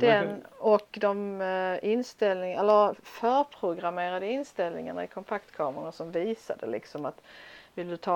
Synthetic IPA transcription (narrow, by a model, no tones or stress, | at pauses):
d̪̥ɛnɔkd̪ɔmɪnst̪ɛlnɪŋɛlːəɾfœːɾpʰɾʊɡɾameːɾad̪əɪnst̪ɛlnɪ̰ŋaɳa̰ɪkʰɔmp̪ʰakt̪kʰɑːməɾasɔmviːsa̰d̪ə̰lɪ̰ksɔmat̪vɪlːəd̪ɵt̪ʰɑː